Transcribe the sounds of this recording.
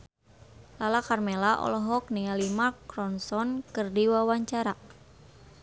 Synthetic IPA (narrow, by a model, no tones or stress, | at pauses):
lalakarmelaʔɔ̰lɔɦɔk̚nialimakɾɔnsɔnkɨrdiwawaɲt͡ʃaɾa